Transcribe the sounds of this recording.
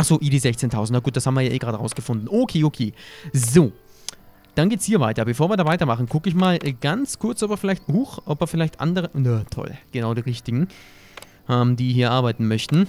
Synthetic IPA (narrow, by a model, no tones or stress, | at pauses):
ʔaχz̥oːʔidiːzɛçt͡seːntʰaʊzn̩tnaːɡuːtd̥ashabmviɐjaːʔeːɡʁaːdəʁaʊsɡ̥əfʊndn̩ʔokʰeːʔokʰeːzoː | d̥anɡeːtshiːɐvaɪtɐbəfoːɐviːɐdaːvaɪtɐmaχn̩kʊkəɪçmaːlʔɛɡant͡skʰʊɐt͡sʔɔpɐfɪlaɪçthuxʔɔpɐɐfɪlaɪçtʔa̰ndəʁənətʰɔ̰lɡ̥ənaʊɾiːʁɪçtɪɡŋ̩ | ʔɛːmd̥iːɦiːɐʔaɐbaɪtn̩mœçtn̩